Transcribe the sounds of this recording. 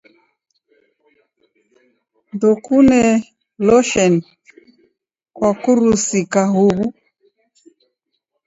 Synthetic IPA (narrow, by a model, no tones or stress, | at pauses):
ndɔkunɛ | lɔʃɛn | kwakuɾusikaɦuβu